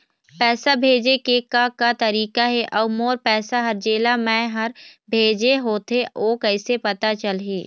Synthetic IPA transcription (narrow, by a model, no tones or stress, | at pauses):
pɛːsabʱeːd͡ʒekekakat̪ɐɾiːkaɦɛʔɔːmoːɾpɛːsaɦɐɾd͡ʒeːlamɛ̃ːɦɐɾbʱeːd͡ʒeɦoːt̪eoːkɛɪsepɐt̪at͡ʃɐlɦiː